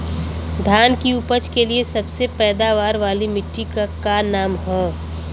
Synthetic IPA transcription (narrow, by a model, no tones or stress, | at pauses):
d̪ʱjaːnkiʊpət͡ʃkeliesɐbsepɛːd̪aːʋaːɾʋaːlimɪʈːikakaːnaːmɦõː